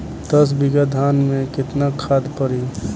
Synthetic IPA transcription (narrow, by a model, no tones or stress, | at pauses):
t̪əs̬biɡad̪ʱaːnmẽkɪt̪nakʰaːd̪pəɾi